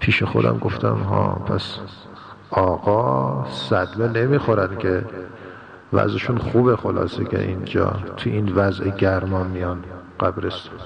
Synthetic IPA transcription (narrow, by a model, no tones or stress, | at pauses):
pʰiːʃexo̞̰d̪æ̰mɡo̞ft̪æ̰mɦɒ̰ːpʰæ̰s | ɒːɣɒːsæd̪mene̞miːxoɾænkʲʰe | væ̰zeʃunxuːbexolɑ̰ːsekʰḛʔind͡ʒɒ̰ːt̪ʰuinvæzʔeɟæɾmɒnmijɑnɢ̥æbɾest̪u̥n